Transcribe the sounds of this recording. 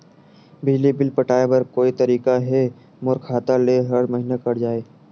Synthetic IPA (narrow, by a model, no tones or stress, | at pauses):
bɪd͡ʒlibɪlpɐʈaːebɐɾkoːit̪ɐɾiːkaɦɛ | mʊɾkʰːaːt̪aleɦɐɽmɐɦinakɐɽd͡ʒaːeː